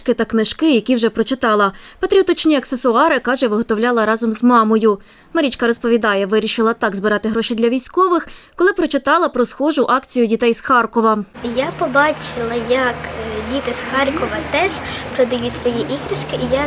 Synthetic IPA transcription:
kɪt̪ɐknɪʃkɪjɐkʲiwʒɛpɾɔt͡ʃɪt̪ɑlˠɐpɐt̪ɾʲiɔt̪ɔt͡ʃnʲiɐksesʊɑɾɪkɑʒɛʋɪɦɔt̪ɔwlʲɑlˠɐɾɑzɔmzmɑmɔjʊ | mɐɾʲit͡ʃkɐɾɔspɔʋʲid̪ɑjɛʋɪɾʲiʃɪlˠɐt̪ɑɡzbɪɾɑt̪ɪɦɾɔʃid̪lʲɐʋʲijsʲkɔʋɪxkɔlˠɪpɾɔt͡ʃɪt̪ɑlˠɐpɾɔsxɔʒʊʔɑkt͡sʲijʊdʲit̪ɛjsxɑrkɔʋɐjapɔbɑt͡ʃɪlˠɐjɐkdʲit̪ɪsxɑrkɔʋɐt̪ɛʒpɾɔd̪ɐjutʲsʋɔjiʔiɦɾɪʃkɪija

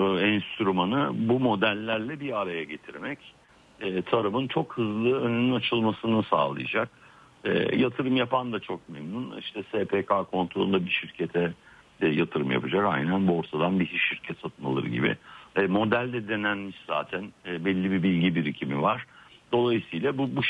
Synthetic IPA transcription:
ɛnst̪ʰyɾumanɯbumo̞d̪ælʲːæɾlʲɛbiaɾajaɟe̞t̪ʰiɾmɛc | ɛːt̪ʰaɾabɯnt͡ʃʰo̞khɯzlˠɯønynynat͡ʃʰɯlˠmasɯnɯsa̰ːlˠɯ̰ja̰d͡ʒak̚ | ɛ̰ːjat̪ʰɯɾɯmjapʰand̪at͡ʃʰo̞k̚memnunḭʃt̪ʰɛsepʰeːkʰaːkʰo̞nt̪ɾolˠund̪abiʃiɾcʰe̞t̪ʰɛ | ɛjat̪ʰɯɾɯmja̰pad͡ʒaka̰jnænbuo̞ɾt̪ʰad̪anbiɦiʃiɾcʰɛt̪sat̪ʰma̰lˠɯ̰ɾɯ̰ɟḭbɪ̰ɛmo̞d̪ælʲd̪ɛd̪e̞nænmiʃz̥a̰ːt̪ʰænːbɛlʲːibibilʲɟibiɾicʰimivaɾ̥d̪̥o̞lˠajɯsɯjlʲˠabubu

